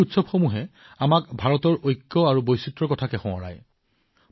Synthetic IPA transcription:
utsɔbxomuɦɛ | amakbʱaɹɔtɔɹʔojkːɔaɹubojsitɹɔkɔtʰakɛxɔ̃ɔ̰ɹa̰j

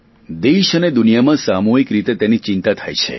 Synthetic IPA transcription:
d̪eʃəned̪unijamãsamoɦikɾit̪et̪enit͡ʃɪnt̪at̪ʰajt͡ʃʰḛ

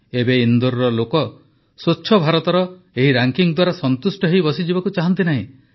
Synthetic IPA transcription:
ebeind̪uɾɾɔlokɔ | soːʃʰɔbʱaɾɔt̪ɔɾɔ | eɦiɾaŋkiŋd̪waɾasɔnt̪usʈɔɦejbɔsid͡ʒibakut͡ʃaɦɔnt̪̬inaɦĩ

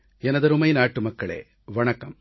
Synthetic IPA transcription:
ɛnɐd̪ɐɾumɐjnaːʈːumɐkːɐɭḛː | ʋɐɳɐkɐm

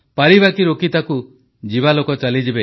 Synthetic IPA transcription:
paɾibakiɾokit̪aku | d͡ʒibalokɔt͡ʃalid͡ʒibe

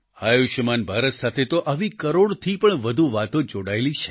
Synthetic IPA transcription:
ajuʃəmanbʱaɾət̪sat̪ʰet̪oʔaʋikəɾoɽt̪ʰipəɳʋəd̪ʱuʋat̪õd͡ʒoɽaelit͡ʃʰe̥

